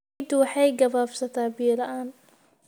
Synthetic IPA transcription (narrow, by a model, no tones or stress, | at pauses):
d̪wɑħɑjɡɐβaːfsɐt̪ʰaːbiːlɐʔaːn